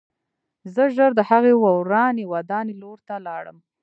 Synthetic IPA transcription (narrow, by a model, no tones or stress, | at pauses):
zəʒəɾd̪əhaɣewawɾɑnewad̪ɑneloɾt̪alɑɽə̰m